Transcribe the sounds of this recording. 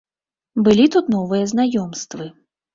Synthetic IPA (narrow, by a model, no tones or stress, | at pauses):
bɨlʲit̪ut̪nɔvɨjɐznajɔmst̪vɨ